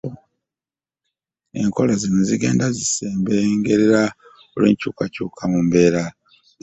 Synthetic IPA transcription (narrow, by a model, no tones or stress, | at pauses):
e̞ŋko̞lazino̞ziɡe̞̰ːndaziseːmbeŋɡe̞ɾeɾa | olweːɲcuːkacuːkʰamumbe̞ːɾa